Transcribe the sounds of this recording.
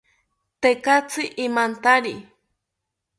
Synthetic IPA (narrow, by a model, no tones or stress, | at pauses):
t̪ekat͡sɨʔimant̪aɾi